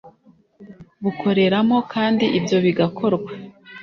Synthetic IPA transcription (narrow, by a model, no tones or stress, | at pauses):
βukʰo̞ɾe̞ɾamo̞kaːndiʔibjo̞βiɡakʰo̞ɾɡwe